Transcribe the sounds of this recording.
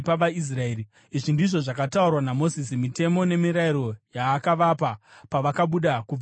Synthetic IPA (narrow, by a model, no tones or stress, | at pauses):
paʋais̬raei | iʐindiʐo̞ʐakataurwanamo̞zisimite̞mone̞miɾaiɾo̞jaːkaʋapapaʋakaɓuɗaku